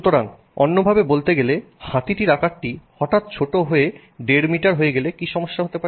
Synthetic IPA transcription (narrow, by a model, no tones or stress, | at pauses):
ut̪oɾan | ɔ̰nːobʱabebolt̪eɡele | hat̪iʈiɾakaʈʈihɔʈat̪̚t͡ɕʰoʈoɦoe | ɖeɾmiʈaɾɦoeɡelekiʃɔmoʃːaɦot̪epaɾe